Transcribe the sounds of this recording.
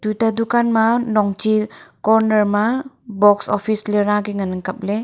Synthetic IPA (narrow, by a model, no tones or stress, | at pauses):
tujtadukanmanɔŋt͡ʃikɔɾnəɾma | bɔksɔpʰisleɾnaɡiŋanaŋkap̚le